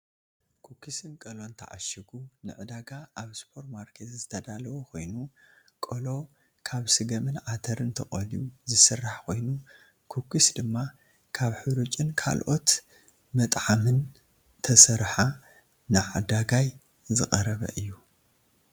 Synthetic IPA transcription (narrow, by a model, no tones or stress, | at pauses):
kʰukʰːisɨnkʼɐlo̞nt̪ʰɐʕa̰ʃiɡunɨʕɨd̪aɡaaβspʰo̞ɾtmaɾkʰet̪zɨt̪ʰɐd̪alɐwokʰo̞jnu | kʼɐlo̞ | kʰaβsɨɡɐmɨnʕat̪ʰɐɾɨnt̪ʰɐχʼɐliuzɨsɨrːaħkʰo̞jnu | kʰukʰisd̪ɨmːa | kʰaβħɨɾut͡ʃʼɨnkʰa̰lʔo̞t̪ | mɐt̪ʼʕamɨn | t̪ʰɐsɐɾħa | nɨʕad̪aɡaj | zɨχʼɐɾɐβɐ̰ʔɨjːu